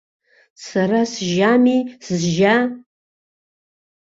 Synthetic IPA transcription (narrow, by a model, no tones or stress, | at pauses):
sɐrasʒaːmiːsɨzʒaː